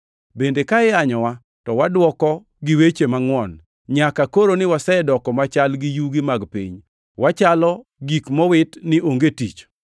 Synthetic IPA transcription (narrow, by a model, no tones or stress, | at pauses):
bendekaɪaɲɔwa | tɔwadwɔkɔ | ɡɪwet͡ʃemaŋwɔn | ɲakakoɾonɪwasɛdɔkɔmat͡ʃalɡɪjuɡɪmaɡpḭɲ | wat͡ʃalɔɡikmɔwɪtnɪʔoŋɡetḭt͡ʃ